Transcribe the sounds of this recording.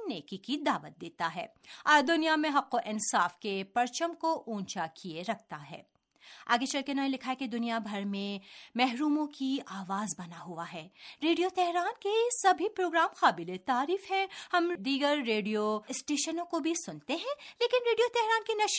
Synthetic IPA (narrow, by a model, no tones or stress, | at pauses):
neːkikid̪aːʋət̪̚d̪eːt̪aɦɛ̰ːɔːɾd̪ʊnijamẽɦɐqːoʔɪ̃nsaːfkepɐɾt͡ʃəmkoʔũːt͡ʃakʰieɾɐk̚ʰt̪aɦɛ̰ː | a̰ːɡet͡ʃɐlkenaːĩlɪkʰaɦeked̪ʊnijabʱɐɾmẽmɛɦɾuːmõkiaːʋaːzbɐnaɦʊaɦɛːɾeːɖijot̪ɛɦɾaːnkesɐbʱipɾoːɡɾaːmxaːbɪlet̪aːɾiːfɦɛ̃hɐmd̪iːɡəɾːeːɖijosʈeːʃənõkobʱisʊnt̪eɦɛ̃leːkɪnɾeːɖijot̪ɛɦɾaːnkinɐʃ